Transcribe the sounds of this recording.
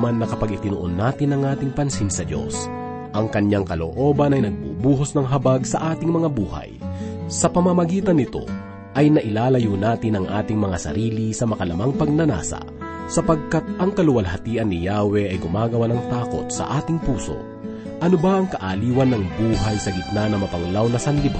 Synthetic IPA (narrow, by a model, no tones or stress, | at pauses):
manːɐkɐpɐɡɪt̪ɪnʊʔonːaːt̪ɪnɐŋʔaːt̪ɪŋpɐnsinsɐd̪o̞̰s | ʔɐŋkɐɲjaŋkɐlo̰ʔo̞ːbɐnɐjnɐɡ̚bṵbuːɦosnɐŋɦɐbaɡsɐʔaːt̪ɪŋmɐŋabuːha̰jsɐpɐmɐmɐɡiːt̪ɐnːɪt̪o̞̰ | ʔɐjnɐʔɪlaːlɐjunaːt̪ɪnɐŋʔa̰ːt̪ɪŋmɐŋasɐ̰ɾiːlisɐmɐkɐlɐmaŋpɐɡ̚nɐna̰ːsɐ̰ | sɐpɐɡ̚kat̪̚ʔɐŋkɐlʊwɐlɦɐt̪iːʔɐnːɪjaːwɛʔɐjɡʊmaːɡɐwanɐŋt̪aːko̞̰t̪̚sɐ̰ʔaːt̪ɪŋpuːso̞̰ | ʔɐnobɐʔɐŋkɐʔaliːwɐnːɐŋbuːɦɐjsɐɡɪt̪̚nanɐmɐpɐŋlawnɐsɐnlɪb